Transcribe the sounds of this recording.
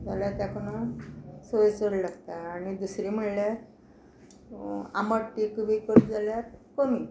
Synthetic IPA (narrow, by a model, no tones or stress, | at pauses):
d͡zaljat̪jakənasojt͡səɽlaɡt̪aːnid̪usɾim̤əɽlja | a̰məɽʈːikuʋikəɾd͡zaljakəmi